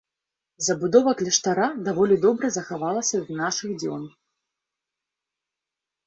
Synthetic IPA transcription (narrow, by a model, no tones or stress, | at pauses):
zɐbud̪ɔvɐklʲɛʂt̪aɾad̪avɔlʲid̪ɔbɾɨzɐxavalˠɐsʲɐwnaʂɨɣd͡zʲɔ̰n